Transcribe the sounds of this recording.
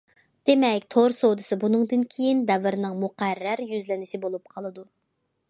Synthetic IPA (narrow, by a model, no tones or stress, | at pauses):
d̪̥emɛkʲt̪ʰoɾsowd̪ɨsɨbunɨŋd̪ɨnkʲʰejind̪ɛvɪɾnɨŋmuqæɾːæɾjyzlɪnɪʃɪbolˠup̚qʰɑlˠɨd̪u